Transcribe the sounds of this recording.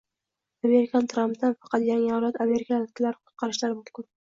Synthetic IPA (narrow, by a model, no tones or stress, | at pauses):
ame̞ɾɪkʰʲant̪ʰɾampd̪anfɑ̥qʰɑt̪jaŋɪɒwlˠat̪ame̞ɾɪkʰak̪ʲʰɪlaɾqʰʊ̥t̪̚qʰɑɾɪʃlaɾmʊθkʊl